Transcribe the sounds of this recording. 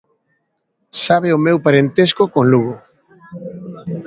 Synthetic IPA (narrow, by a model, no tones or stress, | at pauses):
saβ̞eomewpaɾent̪eskokonluɣo